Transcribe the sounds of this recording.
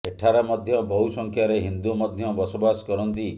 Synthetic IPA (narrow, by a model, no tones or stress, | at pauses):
eʈʰaɾɔmɔd̪ʱjɔbɔɦusɔŋkʰjaɾeɦind̪umɔd̪ʱjɔbɔsobasɔ̥kɔɾɔnt̪i